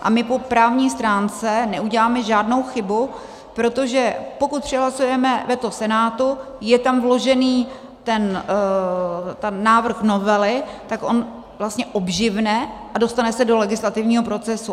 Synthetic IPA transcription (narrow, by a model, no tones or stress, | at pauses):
ʔa̰mɪpo̞pɾaːvɲiːst̪ɾaːnt͡sɛnɛuɟɛlaːmɛʒaːdno̞wxɪbu | pɾo̞t̪o̞ʒɛpo̞kut̪̚pr̝̥ɛɦlasujɛmɛvɛt̪losɛnaːt̪u | jɛt̪amvlo̞ʒɛniː | t̪ɛn | t̪ɛnːaːvr̩xnovɛlɪt̪akʔo̞n | vlast̪ɲɛʔo̞bʒɪvnɛʔado̞st̪anɛsɛdo̞lɛɡɪslat̪ɪvɲiːɦo̞p̬ɾo̞t͡sɛsu